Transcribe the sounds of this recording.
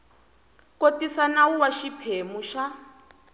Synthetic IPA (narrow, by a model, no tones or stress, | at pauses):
kotisanawuwaʃipʰemuʃa